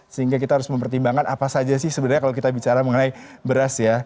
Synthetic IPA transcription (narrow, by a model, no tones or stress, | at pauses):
səɦiŋɡak̬it̪aɦaɾʊsməmpərt̪imbaŋkanʔapasad͡ʒasɪhsəbənarɲakalok̬it̪abit͡ʃaɾaməŋənajbəɾasja